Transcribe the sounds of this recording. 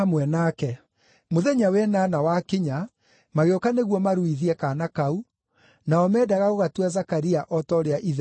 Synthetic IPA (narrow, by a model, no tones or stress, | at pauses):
amwɛnakɛ | moðɛɲawɛnanawakiɲa | maɣeokaneɣwɔmaɾuiðiɛkanakau | naɔmɛːdaɣaɣoɣatuazakaɾiaʔɔtɔɾeaʔiðɛ